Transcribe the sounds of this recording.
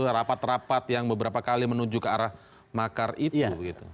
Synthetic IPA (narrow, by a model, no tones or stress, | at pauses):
ɾapat̪rapat̪̚jaŋbəbəɾapakalimənuɲd͡ʒukəaɾah | makaritubəɡit̪u